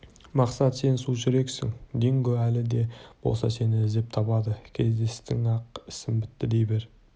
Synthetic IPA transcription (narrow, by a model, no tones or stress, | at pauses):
mɑqsɑt̪se̞nsuʒʏɾe̞ksɪ̰ŋd̪eŋɡʲoælɪd̪e̞b̥o̞̰lˠsɑ̰se̞nɪɪzd̪ep̚t̪ʰɑpɑd̪əkʲʰe̞zd̪e̞st̪ɪŋɑq̚ɪ̥sɪmbɪt̪ːɪd̪e̞jbeɾ